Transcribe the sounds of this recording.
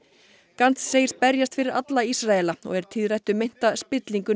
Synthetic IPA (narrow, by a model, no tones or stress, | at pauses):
kant̪sseːjɪ̥spɛɾjast̪fɪɾɪɾat̪laisɾaɛlaɔ̰ɣɛɾ̥t̪ʰɪðrajht̪ʏmejn̥t̪aspɪt̪liŋkʏ